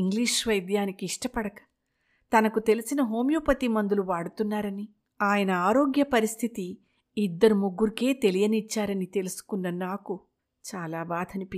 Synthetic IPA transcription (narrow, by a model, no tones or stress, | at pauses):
iŋɡliːʂʋɐjd̪jaːnikiːʂʈɐpɐɽɐkɐ̥ | t̪ɐnɐkut̪e̞lisinɐɦo̞ːmjuːpɐt̪imɐnd̪uluʋaːɽut̪unːaːɾɐni | aːjɐnɐaːɾo̞ːɡjɐpɐɾist̪ʰit̪i | id̪ːɐɾumuɡːuɾike̞ːt̪e̞lijɐnit͡ʃːaːɾɐnit̪e̞lusu̥kunːɐnaːku | t͡ʃaːlaːbaːd̪ʱɐnipi